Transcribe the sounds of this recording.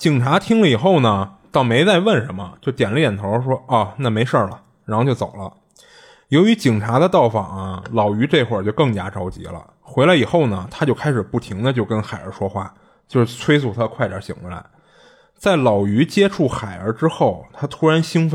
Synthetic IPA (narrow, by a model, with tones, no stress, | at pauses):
t͡ɕi˨˩ŋʈ͡ʂʰa˧˥t̪ʰi˥ŋlə˧˨i˨˩xo˥˩ʊnə˩t̪ɑ˥˩ʊme˧˥ɪt͡sa˥˧ɪwə˥˩nʂə˧˥nmə̰˧t͡ɕjo˥˩ʊt̪jɛ˨˩nlə˦˧jɛ˨˩nt̪ʰo˧˥ʊ˥ʂwɔ˥ɔ˥˩na˥˩me˧˥ɪʂə˞˥˩lə˩ | ɻa˧˥xʊt͡ɕo˥˧˩ʊt͡so̰˨˩ʊlə̰˦ | jo˧˥ʊy˧˥t͡ɕi˨˩ŋʈ͡ʂʰa˧˥d̪ə˧t̪ɑ˥˩ʊfɑ˨˩ŋɐ˦lɑ˨˩ʊy˧˥ʈ͡ʂe˥˧xwə˞˥˧˩t͡ɕo˥˧ʊkɤ˥˩ŋt͡ɕja̰˥ʈ͡ʂɑ˥ʊt͡ɕḭ˧˥lə̰˧ | xwe˧˥ɪla˧˥ɪi˨˩xo˥˩ʊnə˩t̪ʰa˥t͡ɕjo˥˧ʊkʰa˥ɪʂɻ̩˨˩pu˥˩t̪ʰi˧˥ŋd̪ə˧t͡ɕjo˥˩ʊkə˥nxa˨˩ɪə̰˞˧˥ʂwɔ˥xwa̰˥˩ | t͡ɕjo˥˧ʊʂɻ̩˥˩t͡sʰwe˥ɪsu˨˥˩t̪ʰa˥˧kʰwa˥˩ɪɾə̰˧˥ɕi˨˩ŋxwe˧˥la̰˧˥ɪ | t͡sa˥˩ɪlɑ˨˩ʊy˧˥t͡ɕjɛ˥ʈ͡ʂʰu˥˩xa˨˩ɪə˞˧˥ʈ͡ʂɻ̩˥xo˥˩ʊt̪ʰa˥t̪ʰu˥ɻa˧˥nɕi˥ŋf